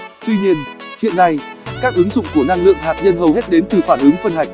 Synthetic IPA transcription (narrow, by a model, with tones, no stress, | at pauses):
t̪wi˧ɲi˧ənhḭ˧˨ənːa˧jkaː˦˥k̚ʔɨ˨˦ŋzʊ̰˧˨ŋ͡mku˧˩əna˧ŋlɨ̰˧˨əŋɦaː˨˩p̚ɲə˧nɦə˨˩whe˦˥t̚ɗe˨˦nt̪ɨ˨˩faː˧˩nʔɨ˨˦ŋfə˧nɦa˨˩jk̟̚